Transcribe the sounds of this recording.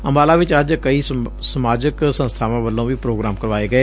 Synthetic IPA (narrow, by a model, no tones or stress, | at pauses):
əmaːlaːʋɪt͡ʃɐd͡ʒkɐisəmaːd͡ʒəksə̃nst̪ʰaːʋãʋəlːõbʱipɾoːɡɾaːmkəɾʋaːeɡɐeː